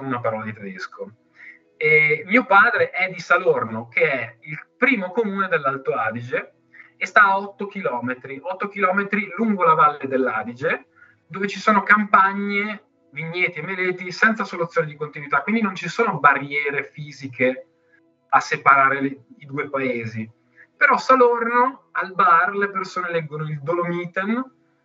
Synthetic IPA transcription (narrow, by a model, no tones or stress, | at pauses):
sonunapaɾɔːlad̪it̪ɾed̪eskʰo | miːopaːd̪ɾeʔɛd̪ːisalornokeɛilpɾiːmokomuːned̪elːalt̪oaːd̪id͡ʒe | est̪aːɔt̪ːok̟ilɔːmet̪ɾiʔɔt̪ːok̟ilɔːmet̪ɾiluŋɡolavalːed̪elːaːd̪id͡ʒe | d̪oːvet͡ʃisoːnokampaɲːe | viɲːɛːt̪iemːelɛːt̪isɛnt̪sasolut̪sjonid̪ikont̪inwit̪akwind̪inont͡ʃisoːnobarːjɛːɾefiːzike | asepaɾaːɾeid̪uːepaeːzi | peɾɔsalornoalbarlepersoːnelɛɡːonoild̪olomiːt̪en